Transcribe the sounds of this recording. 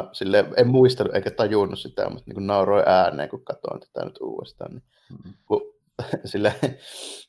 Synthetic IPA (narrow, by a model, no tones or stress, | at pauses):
silːeˑemmuist̪eluʔḛˑikæt̪ɑjunːussit̪æ̰mut̪nḭːŋkunnɑˑoroˑiʔæːnˑḛːŋkukkɑt̪o̰nsi̥t̪æ̰nyt̪ʔṵːʋˑḛst̪ɑ̰ːnni | ku | silːæ